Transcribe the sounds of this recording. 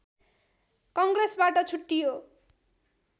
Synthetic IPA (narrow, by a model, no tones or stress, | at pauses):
kʌŋɡresbaʈʌt͡sʰuʈːijo